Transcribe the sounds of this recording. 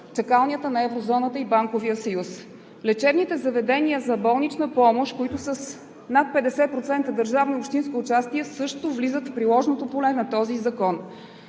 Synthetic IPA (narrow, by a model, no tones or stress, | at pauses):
t͡ʃɐkalˠniət̪ənɐɛvɾozɔnət̪əibaŋkoviəsɐjus | lɛt͡ʃɛbnit̪ɛzɐvɛd̪ɛniəzɐbɔlˠnit͡ʃnəpɔmoʃkoit̪ʊsəs | nat̪̚pɛd̪ɛsɛpɾot̪sɛnt̪əd̪əɾʒavniopʃt̪inskiʊt͡ʃast̪iəsɤʃt̪ʊvlizət̪fpɾilˠɔʒnot̪opolɛnɐt̪ɔzizɐkɔn